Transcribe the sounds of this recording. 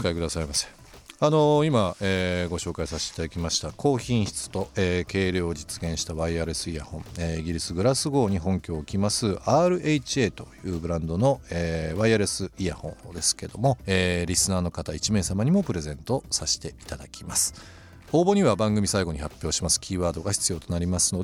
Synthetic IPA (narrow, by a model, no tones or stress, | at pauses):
kaikɯ̟d̪asaimasẽ̥ | ano̞imaeːɡo̞ɕo̞ːkaisaɕit̪ei̥t̪ad̪akʲimaɕi̥t̪akʰo̞ːçĩɰ̃çi̥t͡sɨ̥t̪o̞eːke̞ːɾʲo̞ːd͡ʑit͡sɨ̥ɡẽ̞ɰ̃ɕi̥t̪aβaiaːɾe̞sɨija̰hõ̞ɴeiɡʲiɾʲisɨɡɯ̟ɾasɨɡo̞ːɲ̟iɦõ̞ŋkʲo̞ːkʲimasɨaːɾɯ̟ʔeit͡ɕie̞ːt̪o̞jɯ̟ːbɯ̟ɾãnd̪o̞no̞eːβaiaɾe̞sɨijahõ̞̰nd̪e̞sɨ̥ke̞d̪o̞mo̞eːɾʲisɨnaːno̞kat̪ait͡ɕime̞ːsamaɲ̟imo̞pɯ̟ɾe̞zẽ̞nt̪osaɕi̥t̪e̞i̥t̪ad̪akʲimasɨ̥ | o̞ːbo̞ɲ̟iβabãŋɡɯ̟mʲisaiɡo̞ɲ̟ihapʲːjo̞ːɕimasɨ̥kʲiːβaːd̪o̞ɡaçʲi̥t͡sɨjo̞ːt̪o̞naɾʲimasɨ̥nod̪